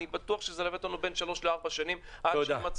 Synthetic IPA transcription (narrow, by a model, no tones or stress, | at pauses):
ibat̪uaχʃezelamet̪lanube̞nʃalo̞ʃleaʁbaʃanimʔadoamat͡s